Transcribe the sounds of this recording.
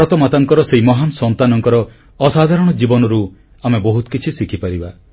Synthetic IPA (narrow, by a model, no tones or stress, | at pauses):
pɾɔt̪ɔmat̪aŋkɔɾɔseɦimɔɦansɔnt̪anɔŋkɔɾɔ | ɔsad̪ʱaɾɔɽ̃ɔd͡ʒibɔnɔɾu | amebɔɦut̪ɔ̥kit͡ʃʰisikʰipaɾiba